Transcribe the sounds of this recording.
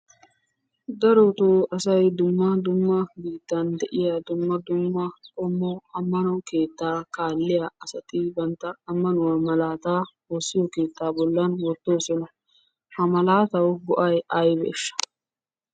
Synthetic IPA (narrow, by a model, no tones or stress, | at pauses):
d̪ɐɾot̪oːɐsɐjd̪ʊmːɐd̪ʊmːɐbiːt̪ːɐnd̪ɛʔɪjɐd̪ʊmːɐd̪ʊmːɐkʼɔmːɔɐmːɐnɔke̞ːt̪ːaːkaːlːɪjɐʔɐsɐt̪ɪbɐnt̪ːɐɐmːɐnʊwɐmɐlaːt̪aː | oːsːɪjɔke̞ːt̪ːaːbɔlːɐnwɔt̪ːo̞ːsɔnɐ | hɐmɐlaːt̪ɐwɡʊʔɐjɐjbḛːʃːɐ̥